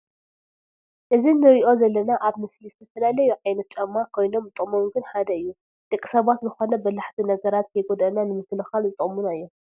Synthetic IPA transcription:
ʔɨzinɨɾiʔo̞zɐlːɐnaʔaβmɨslizɨt̪ʰɐfɐlalɐjuʕajnɐt̪̚t͡ʃʼɐmːakʰo̞jno̞mɨt̪ʼɨʔʼmomɡɨnħad̪ɐɨjːu | t̪ʼɨkʼːi̥sɐβat̪zɨxo̞nɐbɐlaħt̪ʰinɐɡɐɾat̪kʰɐjɡod̪ɐnanɨmɨkʰːɨlɨxalzɨt̪ʼɨmunaɨjːo̞

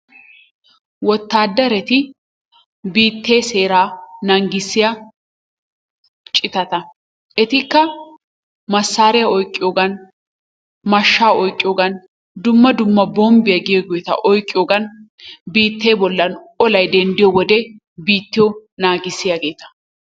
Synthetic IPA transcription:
wɔt̪ːaːd̪ːɐɾɛt̪ɪ | biːt̪ːe̞ːse̞ːɾaːnɐŋɡɪsːɪjɐ | t͡ʃʼɪt̪ɐt̪ɐ | ʔɛt̪ɪkːɐ | mɐsːaːɾɪjɐɔjkʼːɪjoːɡɐn | mɐʃːaːɔjkʼːɪjoɡɐn | d̪ʊmːɐd̪ʊmːɐbɔmbɪjɐɡɪjeɡɔjt̪ɐ̰ʔɔjkʼːɪjoːɡɐnbiːt̪ːe̞ːbɔlːɐnɔlɐjd̪ɛnd̪ɪjɔwɔd̪ɛ | biːt̪ːɪjɔnaːɡɪsːɪjaɡe̞ːt̪ɐ̥

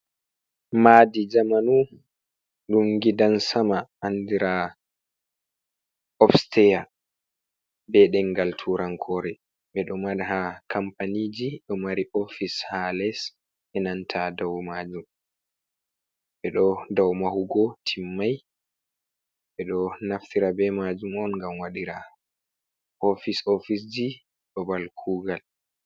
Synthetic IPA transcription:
madid͡ʒamanu | ɗumɡidansamaːndiɾa | ɔfstɛja | bɛɗɛŋɡaltʰuɾaŋkʰɔːɾɛ | ɓɛɗɔmaɗhakʰampaniːd͡ʒiɗɔmaɾiʔofishalɛs | ʔɛnantʰadawmad͡ʒum | ɓɛɗɔdawmahuɡɔtʰimːaj | ɓɛɗɔnaftiɾabɛmad͡ʒumɔnŋɡamwaɗiɾa | ʔofisofis̬d͡ʒi | ɗɔbalkʰuːɡal

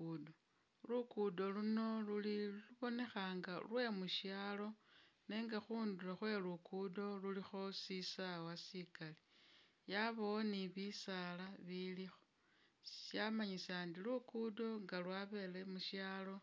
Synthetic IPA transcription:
do | lukudo̞luno̞luliluβo̞ne̞xaːŋɡalwe̞muʃjaːlo̞neːŋɡaxuːndulaxwe̞lukudo̞lulixo̞sisawasikali | jaβowoniβisalaβilixo | ʃjamaɲisaːndilukudo̞ŋɡalwaβe̞le̞muʃjaːlo̞

